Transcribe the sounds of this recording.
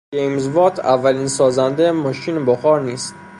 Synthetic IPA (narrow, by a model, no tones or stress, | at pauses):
ejmzvɒːt̪ʰævːæliːnsɒːzænd̪emɒːʃiːneboxɒːɾniːst̪̚